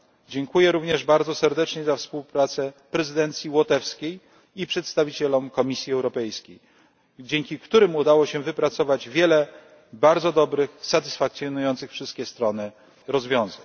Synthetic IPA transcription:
d͡ʑɛŋkujɛɾuvɲɛʐbaɾd̪zɔsɛɾd̪ɛt͡ʂɲɛzafspuwpɾat̪sɛpɾɛzɘd̪ɛnt̪sʲjiwɔt̪ɛfskʲej | ipʂɛt̪st̪avʲit͡ɕɛlɔmkɔmʲisʲjiɛwɾɔpɛjskʲej | d͡ʑeŋkʲikt̪uɾɘmud̪awɔɕɛvɘpɾat̪sɔvad͡ʑvʲjɛlɛ | baɾd̪zɔd̪ɔbɾɘxsat̪ɘ̥sfakt̪sʲjɔnujɔnt̪sɘxfʂɘst̪kʲɛst̪ɾɔnɘ | ɾɔzvʲjɔ̃w̃zaɲ

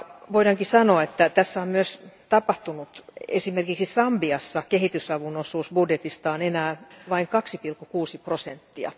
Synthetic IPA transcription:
ʋoiɾɑŋkisɑnoɑet̪ːæt̪æsːæommyøst̪ɑpɑht̪unut̪ḛsimerkiksisɑmbiɑsːɑkehit̪ysɑʋunosuːsbudjet̪ist̪ɑonenæːʋɑiŋkɑksipilkːukuːsiprosent̪ːiɑ̰

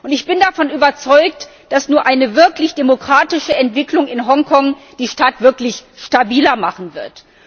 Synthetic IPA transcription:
ʔʊntɪçb̥ɪndafɔnʔyːbɐt͡sɔʏkt | d̥asnuːɐʔaɪnəvɪɐklɪçd̥emokʁ̥aːtɪʃəɛntv̥ɪklʊŋɪnɦɔŋkʰɔŋ | d̥iːʃtaːtv̥ɪɐklɪçʃtabiːlɐmaχn̩vɪɐt

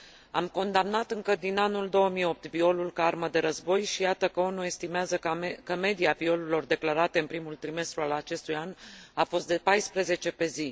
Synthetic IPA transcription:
a̰mko̞nd̪amnat̪ɨŋkəd̪inanuld̪o̞əmijo̞p̚t̪vio̞lulkaarməd̪e̞ɾəzbo̞jʃijat̪əkəunue̞st̪imeazəkəme̞d̪iavio̞lelo̞rd̪e̞klaɾat̪e̞ɨnpɾimult̪ɾime̞st̪ɾualat͡ʃe̞st̪ujanafo̞st̪d̪e̞pajspɾeze̞t͡ʃe̞pe̞zi

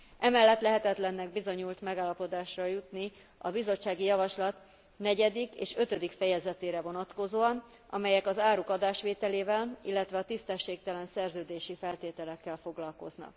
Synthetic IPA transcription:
ʔɛmɛlːɛt̪lɛɦɛt̪ɛt̪lɛnːɛɡ̚bizo̞ɲult̪mɛɡaːlːɒpo̞d̪aːʃrɒjut̪ni | ɒbizo̞t͡ʃːaːɡijɒvɒʃlɒt̪ | nɛɟɛd̪ikḛːʃø̞t̪ød̪ikfɛjɛzɛt̪eːɾɛvo̞nɒt̪ko̞zoːɒnɒ̰mɛjɛkɒzaːɾukɒd̪aːʃʋeːt̪ɛleːvɛlḭlːɛt̪ʋɛɒt̪ist̪ɛʃːeːk̚t̪ɛlɛnsɛrzøːd̪eːʃifɛlt̪eːt̪ɛlɛkːɛlfo̞ɡlɒlko̞̰znɒ̰k

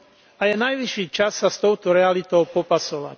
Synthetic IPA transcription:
ajɛnajʋiʃːiːt͡ʃasːast̪ɔʊt̪ɔɾɛalit̪ɔʊpɔpasɔʋa̰c

